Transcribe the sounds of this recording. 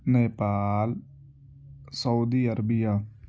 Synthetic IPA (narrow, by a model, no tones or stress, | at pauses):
neːpaːl | səud̪iːəɾəbijaː